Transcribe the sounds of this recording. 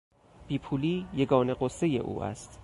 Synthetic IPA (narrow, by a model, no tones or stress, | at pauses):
b̥iːpʰuːliːjeɡɒːne̞ɢosːe̞je̞̰ʔṵːʔæ̰st̪